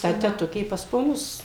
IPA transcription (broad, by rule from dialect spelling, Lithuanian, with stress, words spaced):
tɐ tʲɛˈtʊkʲeː pɐs poːˈnʊs